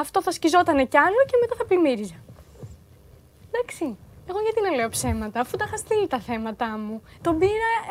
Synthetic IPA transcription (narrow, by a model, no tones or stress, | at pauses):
ɐft̪o̞θɐscizo̞t̪ɐne̞ceɐloce̞met̪ɐθɐplimiɾizɐ | d̪ɐksie̞ɣoʝɐt̪inɐle̞o̞pse̞mɐt̪ɐːfut̪ɐxɐst̪ilit̪ɐθe̞mɐt̪ɐmut̪o̞biɾɐ